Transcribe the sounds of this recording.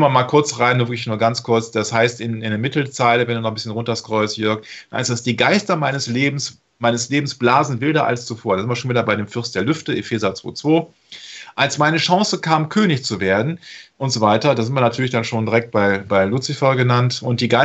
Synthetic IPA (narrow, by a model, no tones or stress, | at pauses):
mɐmaːlkʰʊɐt͡sʁaɪnːuːɐvɪɐəklɪçnuːɐɡant͡skʰʊɐt͡sd̥ashaɪstɪnɪndeːɐmɪtʰl̩t͡saɪləvɛnduːnɔχmbɪsçənʁʊntɐskʁ̥ɔʏstjœɐkd̥nha̰ɪsd̥asd̥iːɡaɪstɐmaɪnəsleːbm̩s | maɪnəsleːbm̩sb̥laːzn̩vɪldɐʔa̰lst͡sufoːɐdazɪntviɐʃoːnviːdɐbaɪɾeːmfʏɐst̚d̥eːɐlʏftəʔefɛːzat͡sv̥o̰ːt͡sv̥oː | ʔalsmaɪnəʃɑŋsəkʰaːmkʰøːnɪçt͡suveːɐdn̩ʔʊntz̥ovaɪtɐdaːzɪntviɐnatʰyɐlɪçd̥anʃoːndiʁɛk̚t̚b̥aɪbaɪlut͡sifɔɡənantʊnt̚d̥iːɡaɪ